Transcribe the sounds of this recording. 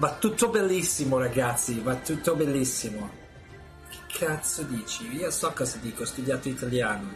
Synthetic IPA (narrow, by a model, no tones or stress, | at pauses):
vat̪ːut̪ːobelːisːimoɾaɡat̪sivat̪ːut̪ːobelːisːimo | kʰe̥kʰːat̪sod̪iːt͡ʃiiːosɔkːɔzad̪iːkoɔst̪ud̪jaːt̪oit̪aljaːno